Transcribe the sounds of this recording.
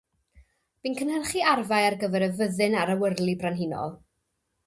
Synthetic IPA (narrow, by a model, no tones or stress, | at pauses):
b̥inkʰənhərχiarvajarɡəvɛɾəvəðɨnaɾəwərlˠibranɦinɔ̰lˠ